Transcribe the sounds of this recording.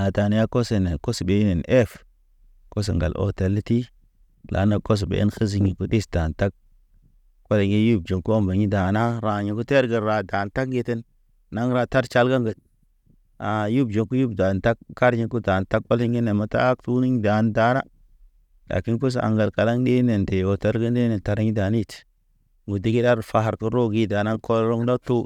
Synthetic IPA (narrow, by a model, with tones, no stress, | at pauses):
a˨ta˨n˨˦ja˦ko˦se˨ne˨ko˦sbe˨˦ne˨nʔe˦f | ko˦s̬ḛ˨ŋɡa̰˨lʔo̰˨te˨lːti˦ | la̰˨˦na˦ko˦s̬bḛ˨˦xi˦z̬i˦ŋi˨ku˦di˦sda˨nta˦k̚ | ko˦le˨ŋi˦ju˦˨b̚d͡ʒo˨ŋku˦o˦mba˨ɲi˦da˨na˦ɾa˨ɲi˨ku˦te˦ɾɡə˨ɾɾa˨da˨nta˦kɡe˦te˦n | nːa˦ŋɾa˨ta˦ɾt͡ʃa˦lɡa˦ŋɡə˨t̚ | a˨ju˦bd͡ʒo˨ŋku˦ju˦bda˨nta˦k̚kːa˦ɾɲi˦ku˦da˨nta˦k̚ka˦li˦ŋɡi˦ne˨ma˨ta̰˦k̚tu˦ni˦ɲ˦da˨nda˨˦na̰˦ | la̰˨ki˦nku˦s̬a̰˨ŋɡa˨lka˨la˦ŋɗi˦ne˨nte˨wo˨ta˦ɾɡi˦ndi˦ne˨nta˨ɾɲi˦da˨ni˦t | ŋu˨di˦ɡi˦da˦ɾfa˦ɦa˨ɾku˦ɾo˦˨ɡi˦da˨na˦nko˦lɾo˦ŋ˦da˦tu˦